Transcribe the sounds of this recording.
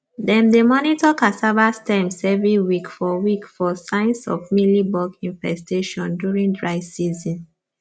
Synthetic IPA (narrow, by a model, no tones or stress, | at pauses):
dɛ̃mdemɔnitɔkasavastãɪ̃msɛvĩwikfɔwikfɔsãɪ̃nsɔ̰vmilibɔɡĩnfɛsteʃɔ̃ndjuɹĩŋdɹaɪsizɔ̃n